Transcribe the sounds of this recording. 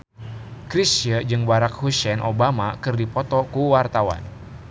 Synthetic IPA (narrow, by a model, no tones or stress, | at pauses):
kɾisəd͡ʒɨŋbaɾak̚husɛnʔobamakɨrdipɔt̪ɔkuwart̪awa̰n